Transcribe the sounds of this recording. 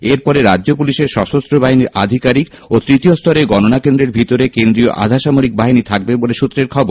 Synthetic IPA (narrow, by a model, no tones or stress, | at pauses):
eɾpɔɾeɾadːʑopuliʃeɾʃɔʃost̪ɾobaɦiniɾʔad̪ʱikaɾik | ot̪ɾit̪iost̪ʰɔɾeɡɔnonakend̪ɾeɾbʱit̪oɾekend̪ɾio̰ʔa̰d̪ʱaʃamoɾik̚baɦinit̪ʰak̚beboleʃut̪ːɾeɾkʰɔboɾ